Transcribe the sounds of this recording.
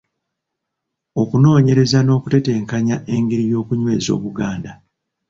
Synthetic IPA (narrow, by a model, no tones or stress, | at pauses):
o̞kuno̞ːɲe̞ɾe̞zano̞ːkute̞te̞ːŋkaɲaʔe̞ŋɡeɾijo̞ːkuɲwe̞ːzo̞̰ːβuɡaːnda